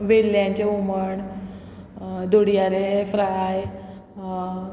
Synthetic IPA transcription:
ʋelːjãɲt͡ɕeuməɳ | d̪oɽ̤ijaɾefɾaj

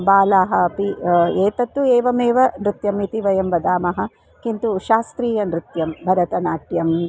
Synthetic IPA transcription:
baːlaːɦɐɐpieːt̪ɐt̪ːueːʋɐmeːʋɐnɾɪt̪jɐmit̪iʋɐjɐmʋɐd̪aːmɐɦɐ̆ | kint̪uʃaːst̪ɾiːjɐnɾɪt̪jɐmbʱɐɾɐt̪ɐnaːʈjɐm

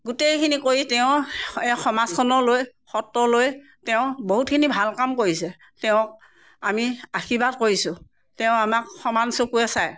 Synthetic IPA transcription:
ɡutejkʰinikoitɛʊ̃ɛxɔmaskʰɔnɔloj | xɔtːɔloj | tɛʊ̃boɦut̚kʰinibʱalkamkoɹisɛ | tɛʊ̃k̚ | amiaxʰibat̚koɹisʊ | tɛʊ̃amak̚xɔmansokuɛsaj

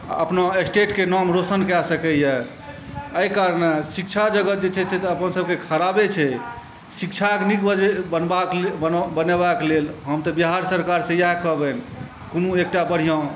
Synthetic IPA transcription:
ə̰pnaesʈeʈkenɔmɾosənkasəkɛjɛ | əjkaɾnesik̚t͡ʃʰad͡ʒəɡəd͡ʒet͡ʃʰɛsɛt̪ɔəpənsəb̚kekʰəɾabet͡ʃʰɛ | sikt͡ʃʰaɡnikbəebənbakbənebaklelɦəmt̪ɔbiɦaɾsəɾkaɾsẽjaɦkəbɛn | konuek̚ʈabəɽ̤ijã

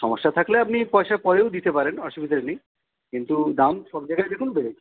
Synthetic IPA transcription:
ʃɔmoʃːat̪ʰakleap̚nipɔeʃaɾpɔɾeod̪it̪epaɾenɔʃubid̪ʱaɾnij | kint̪ud̪amʃɔbd͡ʑajɡaed̪ekʰunbeɾet͡ɕʰ

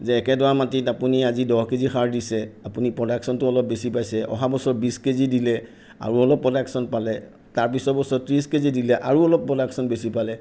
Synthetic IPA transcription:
zɛːkɛdɔamatitapuniazidɔhkezixʰaɹdisɛapunipɹɔdaksɔntʊɔlɔp̚besipajsɛʔɔ̰ɦabɔsɔɹbiskezidilɛ | a̰ɹuɔlɔpɹɔdaksɔnpalɛ | taɹpisɔbɔsɔtɹiskezidilɛʔa̰ɹuɔlɔpɹɔdaksɔnbesipalɛ

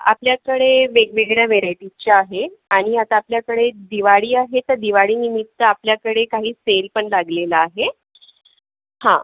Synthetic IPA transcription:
a̰pljakəɽeʋeɡʋeɡɭjaʋeɾajʈit͡ɕaaɦeaɽ̃iat̪aːpljakəɽed̪iʋaɽiːaɦet̪əɾd̪iʋaɽiːnimit̪ːəapljakəɽekaɦiːselpəɳlaɡlelaːɦe | hã̰

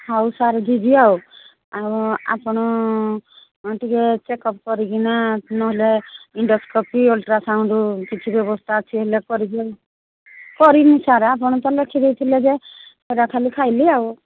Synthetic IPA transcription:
hawsaɾd͡ʒʱid͡ʒiaw | awa̰pɔɽ̃ɔ | ʈiket͡ʃekɔpkɔɾiɡinat̪nɔɦeleiɳɖɔskɔpiolʈɾasawɳɖukit͡ʃʰibjɔbɔst̪ʰaːt͡ʃʰiɦelekɔɾiɡe | kɔɾinisaɾapɔɽ̃ɔt̪ɔlekʰid̪ejt̪ʰiled͡ʒeseɾakʰalikʰajliaw

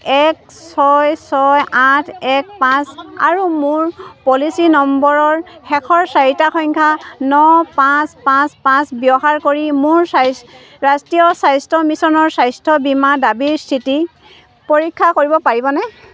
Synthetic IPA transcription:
ɛk | sɔjsɔjãtʰɛk̚pãsa̰ɹumʊɹpɔlisinɔmbɔɹɔɹhɛkʰɔɹsajitaxɔŋkʰanɔpãspãspãsbjɔɦaɹkoɹimʊɹs | ɹastijɔsajstʰɔmisɔnɔɹsajstʰɔbimadabiɹstʰiti | poɹikʰːakoɹibɔpaɹibɔnɛ

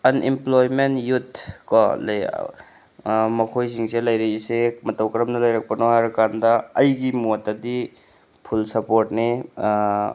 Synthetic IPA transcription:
ɐnimplojmenjutʰkɔl | mɐkʰojs̬iŋsʰelɐjɾeisemɐtɐwkɐɾɐmnɐlɐjɾɐk̚pɐnɔɦaɾkandɐːjɡimutɐdi | pʰulsɐpoɾt̚ni

